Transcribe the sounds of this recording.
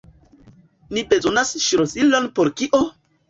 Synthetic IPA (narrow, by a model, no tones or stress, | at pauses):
nibezonasʃiɾosilonpoɾkiʔo